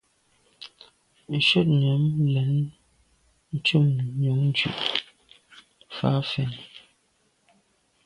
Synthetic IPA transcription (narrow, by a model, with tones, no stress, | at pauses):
n̩˨ʃə˦t̚ɲɔ˨˦mlɛ˨n | n̩˦t͡ʃu˦˨mɲu˨˦ŋn˦d͡ʒɥʉ̰˨ʔ | fa̰˨˦fɛ˨n